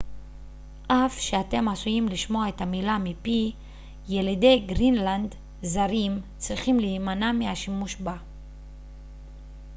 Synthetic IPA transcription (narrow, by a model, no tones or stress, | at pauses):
ʔafʃeat̪e̞masujimliʃmo̞aet̪hamilamipi | jelid̪e̞jɡʁinland̪ | zaɾimt͡sʁiχimliːmanamihaʃimuʃba